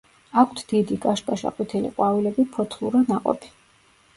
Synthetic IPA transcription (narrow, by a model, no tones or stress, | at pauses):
akʷʰt̪ʰd̪̥id̪iɡʼaʃpʼaʃa̰qʼwit̪ʰɛlḭqʼwavilɛbipʰɔt̪ʰlˠuɾanaqʼɔ̰pʰi̥